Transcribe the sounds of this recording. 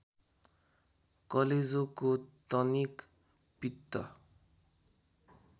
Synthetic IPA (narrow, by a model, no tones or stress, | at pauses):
kʌled͡zokot̪ʌnik | pit̪ːʌ̰